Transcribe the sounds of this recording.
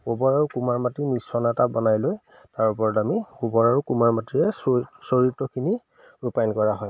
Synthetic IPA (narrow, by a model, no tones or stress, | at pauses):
ɡobɔɹaɹukumaɹmatinisɔnatabɔnajloj | taɹupɔɹɔtamiɡobɔɹaɹukumaɹmatiɛssoɹitːɔkʰini | ɹupajnkɔɹaɦɔj